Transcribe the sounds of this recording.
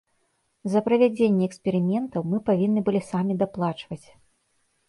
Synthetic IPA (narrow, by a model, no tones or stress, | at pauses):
zɐpɾɐvʲad͡zʲenʲːɛɛkspʲɛɾɨmʲɛnt̪ɐwmɨpavʲinːɨbɨlʲisamʲid̪aplˠat͡ʂvɐt͡sʲ